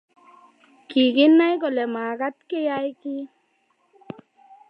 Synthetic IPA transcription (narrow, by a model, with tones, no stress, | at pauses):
ki˨ki˦nːa˦jko˨le˨maː˨ka˦t̪ke˦ja˦jki˦